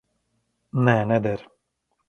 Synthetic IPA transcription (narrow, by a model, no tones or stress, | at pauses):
nɛnɛd̪ɛɾ